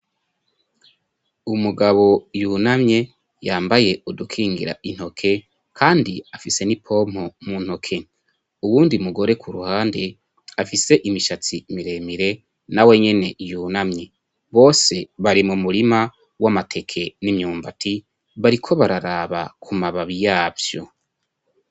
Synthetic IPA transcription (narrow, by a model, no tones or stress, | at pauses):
umuɡaβo̞juːnamɲe̞ | jaːmbaje̞udukʰiːŋɡḭɾa̰ʔin̥ho̞kʰe̞ | kʰaːndiafise̞nipʰo̞m̥homun̥ho̞kʰe̞ | uwuːndiumuɡo̞ɾe̞kʰuɾuhaːnde̞ | afise̞ʔimiʃat͡simiɾe̞miɾe̞ | nawe̞ɲe̞ne̞juːnamɲe̞ | βo̞ːse̞βaɾimumuɾima | wamatʰe̞kʰe̞nimɲuːmbatʰi | βaɾikʰo̞βaɾaɾaːβa̰kʰumaβaβijaːvjo̞̰